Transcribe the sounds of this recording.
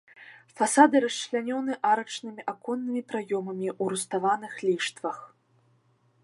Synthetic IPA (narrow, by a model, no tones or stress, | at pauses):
fasad̪ɨɾɐslʲanʲɔnɨʔaɾɐt͡ʂnɨmʲiʔakɔnːɨmʲipɾajɔmɐmʲiʔuɾust̪avanɨxlʲiʂt̪vɐx